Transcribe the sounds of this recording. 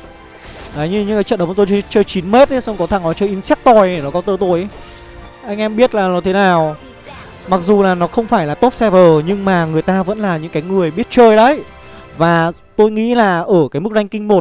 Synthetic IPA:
aː˨˩jɲɨ˧ɲɨ̰˧˥ŋkaː˨˦t͡ɕə̰˧˨nɗə˨˦˨t̪t͡ɕəː˧jt͡ɕi˨˦nme˦˥t̚ʔə˨˦sɔ˧kɔ˨˦t̪ʰa˨˧˩ŋʔɔ˨˦t͡ɕəː˧jʔi˧nsɛ˦˥k̚t̪ɔ˨˧˩jnɔ˨˦kɔ˨˦t̪əː˧t̪o˧˩jʔ | ʔa˧jŋ̟ʔɛ˧mɓi˦˥ət̚laː˨˩nɔ˨˦t̪ʰe˨˦naː˨˩w | ma˨˩k̚zu˨˩laː˨˩nɔ˨˦xə˧wŋ͡mfaː˧˩jlaː˨˩t̪o˦˥p̚sɛ˧vəː˨˩ɲɨ˧ŋmaː˨˩ŋɨ˨˩əjt̪aː˧və̰˧˥nlaː˨˩ɲɨ̰˧˥ŋkaː˨˦jŋɨ˨˩əjɓi˦˥ət̚t͡ɕəː˧jɗə˨˦j | vaː˨˩ | t̪o˧jŋḭ˧˥laː˨˩ʔəː˧˩kaː˨˦jmɨ˦˥k̚ɗa˧jŋ̟kï˧ŋ̟mo˨˩t̚

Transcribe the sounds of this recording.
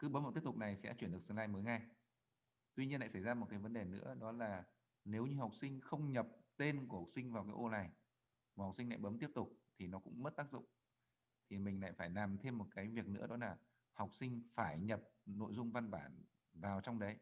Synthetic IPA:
kɨ˨˦ɓə˨˦mː˦˨˩t̪p̚tʊ˨˩k̚na˨˩jsɛ̰˧˥t͡ɕwi˧˩nɗək̚sə˧laː˧jməː˨˦jŋa˧j | t̪wi˧ɲi˧nla̰ː˧˨jsa˧˩jzaː˧mo˨˩kaː˨˦jvə˨˦nɗe˨˩nɨ̰˧˥əɗɔ˨˦laː˨˩ | ne˨˦wɲɨ˧ɦa˨˩wk͡p̚sï˧ŋ̟xə˧wŋ͡mɲə˨˩p̚t̪e˧nku˧˩ha˨˩k͡p̚sï˧ŋ̟vaː˨˩wkaː˨˦jʔo˧na˨˩j | hk͡p̚si˧ŋla̰ː˧˨ɓə˨˦mt̪i˦˥əp̚t̪ʊ˨˩k͡p̚t̪ʰi˨˩nɔ˨˦kʊ̰˧˥ŋ͡mmə˦˥t̚t̪aː˦˥k̚zʊ̰˧˨ŋ͡m | t̪ʰi˨˩mï˨˩ŋ̟la̰ː˧˨jfaː˧˩jlaː˨˩mt̪ʰe˧mːo˨˩t̚kaː˨˦jvi˨˩ək̚nɨ̰˧˥ɗɔ˨˦laː˨˩ | ha˨˩wk͡p̚sï˧ŋ̟faː˧˩jɲə˨˩p̚no̰˧˨jzʊ˧ŋ͡mva˧nɓaː˧˩n | vaː˨˩wt͡ɕɔ˧wŋ͡mɗə˨˦j

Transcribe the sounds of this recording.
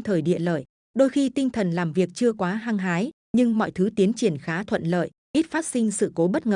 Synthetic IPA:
t̪ʰəː˨˩jɗḭ˧˨ələ̰ː˧˨j | ɗo˧jxi˧t̪ï˧ŋ̟t̪ʰə˨˩nlaː˨˩mvi˨˩ək̚t͡ɕɨ˧əkwaː˨˦ɦaː˧ŋɦaː˨˦j | ɲɨ˧ŋmɔ̰˧˨jt̪ʰɨ˨˦t̪i˨˦ənt͡ɕi˧˩ənxaː˨˦t̪ʰwə̰˧˨nlə̰ː˧˨j | ʔi˦˥t̚faː˦˥t̚sï˧ŋ̟sɨ̰˧˨ko˨˦ɓə˦˥t̚ŋəː˨˩

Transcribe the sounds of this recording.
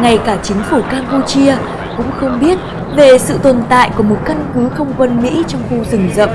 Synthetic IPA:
ŋa˨˩jkaː˧˩t͡ɕï˨˦ŋ̟fu˧˩kaː˧mpu˧t͡ɕi˧ə | kʊ̰˧˥ŋ͡mxə˧wŋ͡mɓi˦˥ət̚ | ve˨˩sɨ̰˧˨t̪ə˨˩nt̪a̰ː˧˨jku˧˩əmo˨˩t̚ka˧nkɨ˨˦xə˧wŋ͡mkwə˧nmḭ˧˥t͡ɕɔ˧wŋ͡mxu˧zɨ˧˩ŋzə̰˧˨

